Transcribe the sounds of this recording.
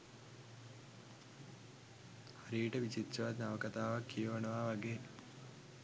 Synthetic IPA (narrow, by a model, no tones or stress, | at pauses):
haɾiːʈəʋit͡ɕit̪t͡ʃɐʋat̪naʋəkat̪aːʋakːijəʋənəʋaːʋaɡeː